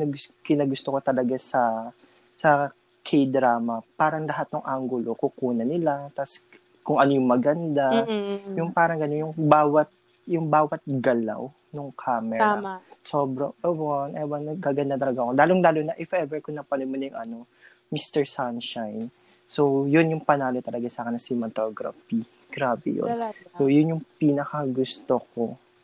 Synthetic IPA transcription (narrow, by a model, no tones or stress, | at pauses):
nɐɡʊkɪnɐɡʊst̪okot̪ɐlɐɡasɐ | sɐ | kʰejd̪ɾaːmɐpaːɾɐŋlɐɦat̪̚nʊŋʔaŋɡʊlokʊkuːnɐnɪlat̪as | kʊŋʔɐnojʊŋmɐɡɐnd̪ajʊŋpaːɾɐŋɡɐnonjʊŋbaːwɐt̪̚ | jʊŋbaːwɐt̪̚ɡɐla̰w | nʊŋkʰaːmɛɾasobɾɐʔɛbonʔɛbɐnɐaːɡɐnd̪at̪ɐlɐɡaɐkolaːloŋlaːlonɐʔɪfʔɛvɛɹkʊŋnɐpɐnojmɐnɐjʊŋʔɐno̞ | mist̪ɛɹsanʃajn | sojʊnjʊŋpɐnaːlot̪ɐlɐɡasaːkɐnːɐsimɐt̪oɡɾɐ̰fi | ɡ̥ɾaːbɛ̰jo̰nsojʊnjʊŋpinɐkɐɡʊst̪oko̞